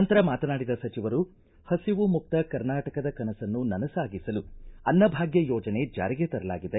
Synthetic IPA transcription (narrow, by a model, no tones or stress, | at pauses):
ɐnt̪ɐɾɐmaːt̪ɐnaːɽid̪ɐsɐt͡ʃiʋɐɾu | hɐsiʋumuk̚t̪ɐkɐɾnaːʈɐkɐd̪ɐkɐnɐsɐnːunɐnɐsaːɡisɐluɐnːɐbʱaːɡjɐjɔːd͡ʒɐne̞d͡ʒa̰ːɾiɡet̪ɐɾɐla̰ːɡid̪e